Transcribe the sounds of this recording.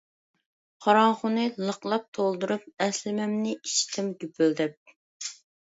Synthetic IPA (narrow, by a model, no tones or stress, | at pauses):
χɑɾɑŋχʊnɨlˠəqlˠɑp̚t̪ʰolˠd̪uɾup̚ɛslɪmɛmnɪiʃi̥t̪ʰɪmɡʲypʰyld̪ɛp̚